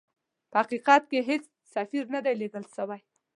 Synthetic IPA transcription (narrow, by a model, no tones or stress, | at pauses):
pəaqiqɑt̪̚keɦet͡s | safiɾnad̪ajleɡəlʃawaj